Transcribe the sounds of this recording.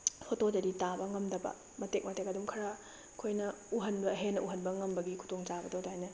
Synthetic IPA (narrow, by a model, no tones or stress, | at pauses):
pʰotod͡ʒɐɾitabɐŋɐmdɐbɐ̰ | mɐtek̚mɐtekɐdumkʰɐɾa | kʰojnɐuɦɐnbɐɦenːɐʔuɦɐnbɐŋɐmbɐɡikʰu̥toŋt͡ʃabɐdɐwdaajnɐ